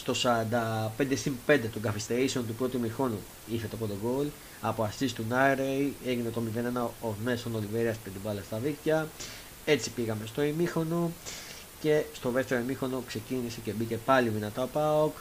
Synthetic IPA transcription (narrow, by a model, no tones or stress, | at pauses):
st̪o̞sɐɾɐnd̪ɐpe̞nd̪e̞simpe̞nd̪e̞t̪o̞ŋɡɐfist̪e̞ɾise̞o̞nt̪upɾo̞t̪uimixo̞nu | iθe̞t̪opot̪oɡo̞l | ɐpoɐst̪ist̪unɐɾeje̞ʝinet̪omive̞nenɐomesonoliveɾiɐspet̪ibɐlɐst̪ɐðikcɐ | e̞t͡si̥piɣɐme̞st̪o̞imixo̞no̞ | ce̞st̪o̞ðe̞ft̪e̞ɾoimixo̞no̞kse̞cinise̞ce̞bice̞pɐlivinɐt̪ɐopaok